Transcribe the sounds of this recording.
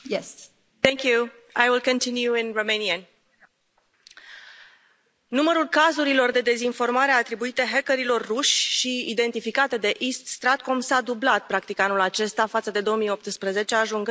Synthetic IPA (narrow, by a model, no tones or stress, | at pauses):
jɛ | ɛŋkju | ajwilkə̃nt̪injuinromeniən | numəɾulkazuɾilo̞rd̪e̞d̪e̞zinfo̞rmaɾeat̪ɾibuit̪eɦekəɾilo̞rːuʃʲʃiid̪e̞nt̪ifikat̪e̞d̪e̞ʔist̪st̪ɾat̪komsad̪ublat̪̚pɾakt̪ikanulat͡ʃe̞st̪afat̪səd̪e̞d̪o̞omijo̞p̚t̪spɾəze̞t͡ʃe̞aʒuŋɡɨ